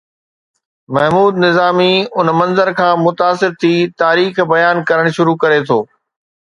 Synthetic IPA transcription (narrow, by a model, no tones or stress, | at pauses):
mɐɦmuːd̪nɪzaːmiʊnmɐ̃nzəɾkʰãːmʊt̪aːsɪɾt̪ʰit̪aːɾiːxbɐjaːnkɐɾəɽ̃ʃʊɾukɐɾet̪ʰoː